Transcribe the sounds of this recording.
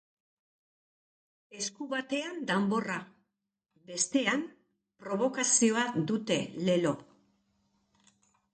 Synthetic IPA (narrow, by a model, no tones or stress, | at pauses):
e̞skuβat̪e̞and̪ambo̞ra | be̞st̪e̞am | pɾo̞β̞o̞kasio̞ad̪ut̪e̞le̞lo̞